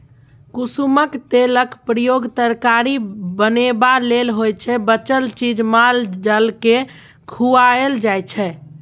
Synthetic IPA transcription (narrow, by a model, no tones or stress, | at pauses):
kusuməkt̪eləkpɾəjoɡt̪əɾkaɾibənebalelɦojt͡ʃʰɛbət͡ʃəlt͡ʃid͡ʒmald͡ʒəlke | kʰuaeld͡ʒajt͡ʃʰɛ